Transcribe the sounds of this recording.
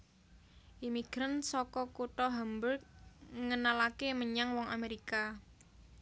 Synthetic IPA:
ʔimiɡ̥ɾansɔkɔkuʈɔɦambʊrk̚ŋənalakeməɲaŋwɔŋameɾika

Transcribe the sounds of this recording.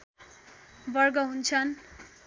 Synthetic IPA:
bʌrɡʌɦunt͡sʰʌn

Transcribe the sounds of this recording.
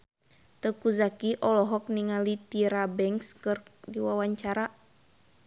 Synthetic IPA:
t̪əkuzakiʔɔlɔɦɔk̚niŋalit̪iɾabɛŋkskɨrɡiwawaɲt͡ʃaɾa

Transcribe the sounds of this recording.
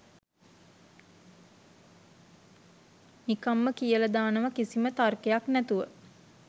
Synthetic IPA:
nikamːəkijəlɐd̪aːnəʋəkisimət̪arkejaknæt̪uʋə

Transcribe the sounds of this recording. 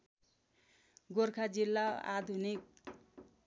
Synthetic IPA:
ɡorkʰad͡zilːaa̰d̪ʱunik̚

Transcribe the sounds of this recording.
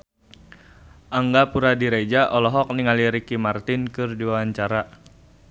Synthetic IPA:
ʔaŋɡapuɾadiɾed͡ʒaʔɔlɔɦɔk̚niŋaliɾikimart̪inkɨrdiwawaɲt͡ʃaɾa

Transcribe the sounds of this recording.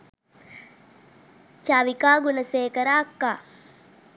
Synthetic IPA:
t͡ʃaʋikaːɡunɐseːkɐɾaːkːaː

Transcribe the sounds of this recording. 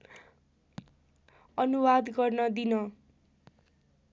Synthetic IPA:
ʌnuwad̪ɡʌrnʌd̪inʌ

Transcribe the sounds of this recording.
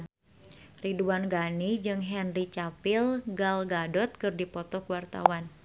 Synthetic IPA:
riduanɡanid͡ʒɨŋɦɛnrit͡ʃapɪlɡalɡadɔt̪̚kɨrdipɔt̪ɔkəwart̪a̰wan

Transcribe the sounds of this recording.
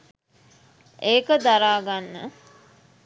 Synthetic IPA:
ʔeːkəd̪aɾaːɡanːə̰

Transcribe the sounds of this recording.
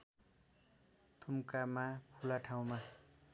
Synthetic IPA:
t̪ʰumkamapʰulaʈʰaw̃ma

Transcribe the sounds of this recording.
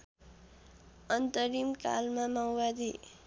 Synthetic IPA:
ʌnt̪ʌɾimka̰lmamawbad̪i

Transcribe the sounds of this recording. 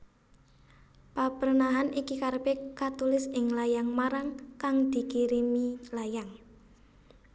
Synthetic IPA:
papərnaɦanikikarpekat̪ulɪsɪŋlajaŋmaɾaŋkaŋd̪̥i̤kiɾimilajaŋ

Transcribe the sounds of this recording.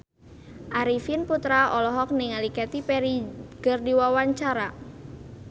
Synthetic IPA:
ʔaɾifinput̪ɾaʔɔlɔɦɔk̚niŋalikɛt̪ipɛɾiɡ̥ərdiwawaɲt͡ʃaɾa

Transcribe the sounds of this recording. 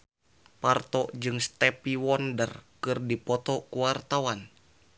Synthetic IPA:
part̪ɔʔd͡ʒɨŋst̪ɛpiwɔndərkɨrdipɔt̪ɔkuwart̪awan

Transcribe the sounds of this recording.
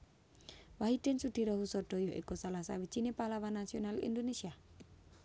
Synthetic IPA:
waɦid̪̥ɛ̤nsud̪̥iɾɔɦusɔd̥ɔ̤jɔʔḭkusalasawi̥t͡ʃinepalawanːasionalḭndonesia

